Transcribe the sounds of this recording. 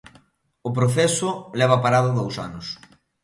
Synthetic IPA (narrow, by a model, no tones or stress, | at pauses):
ʊpɾoθɛsʊlɛβ̞ɐpaɾaðʊðowsa̰nʊs